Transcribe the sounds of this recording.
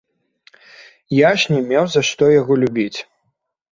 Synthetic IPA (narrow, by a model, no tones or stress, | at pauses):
jaʂnʲɛmʲɛwzɐʂt̪ɔjaɣɔlʲubʲit͡sʲ